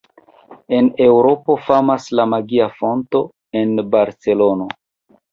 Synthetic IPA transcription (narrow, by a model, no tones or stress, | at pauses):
e̞ne̞wɾo̞po̞famaslamaɡiafo̞nto̞ | e̞nbaɾt͡se̞lo̞no̞